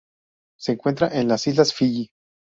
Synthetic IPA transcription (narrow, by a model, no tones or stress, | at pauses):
se̞ːŋkwe̞nt̪ɾaʔenlasizlasfiʝi